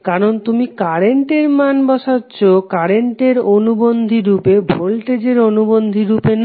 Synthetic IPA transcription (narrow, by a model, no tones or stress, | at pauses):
kaɾont̪umikaɾeɳʈeɾmanbɔʃatːɕʰokaɾeɳʈeɾonubond̪ʱiɾupebʱolʈed͡ʑeɾonubond̪ʱiɾupen